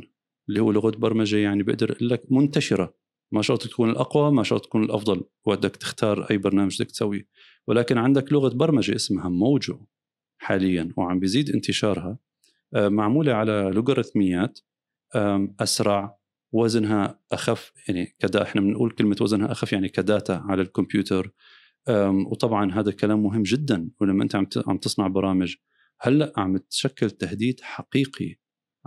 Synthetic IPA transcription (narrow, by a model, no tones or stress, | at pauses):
ɪlːihuːlʊɣat̪̚bɑɾˤmad͡ʒajaʕnibɪ̰ʔd̪ɪɾʔɪlːakmʊnt̪aʃɪɾa | maʃɑɾt̪ˤːḁkuːnɪlʔɑqwamaʃɑɾˤt̪ˤːakuːnɪlʔɑ̰fd̪ˤɑlwbad̪ːakt̪ɪ̥xt̪ʰɑːɾˤʔa̰jːbɑɾˤnaːmaʒd̪ak̚t̪sawːi | wɪlaːkɪnʕɪnd̪aklʊɣabɑɾˤmad͡ʒa̰ʔɪsmhamoːd͡ʒʊʔ | ħaːlɪjːanwʕambjziːd̪ʔɪnt̪ɪʃɑːɾˤha | ʔmaʕmuːlaʕalalʊɡaɾˤɑθmɪjːaːt̪ | ʔaʔasɾˤɑʕ | wazɪnɦaʔaxafjaʕnikad̪aʔɪħnamɪnʔṵːlkɪlmat̪wazɪnhaʔaxafjaʕnikad̪aːt̪aʕalalkʊmpjuːt̪ʰɑɾˤ | ʔawt̪ˤɑbʕɑnɦaːðakalaːmːʊɦɪmːd͡ʒɪd̪ːanwlamːaʔɪnt̪aʕamt̪ʕa̰mbt̪ɨsˤnɑʕbɑɾˤɑːmɪd͡ʒ | halːaʔʕambɪt̪ʃakːalt̪ahd̪iːd̪ħaqiːqʰḭ